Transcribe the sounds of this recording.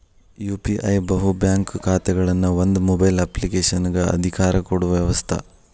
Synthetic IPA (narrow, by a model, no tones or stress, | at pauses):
juːpiʔɐjbɐɦubjaːŋkkʰaːt̪ɛɡɐɭɐnːuʋond̪umobɐjlɐplikeːʂɐnɡɐɐ̰d̪ʱikaːɾɐkoɽuʋɐʋjɐʋɐst̪ʰɐ̰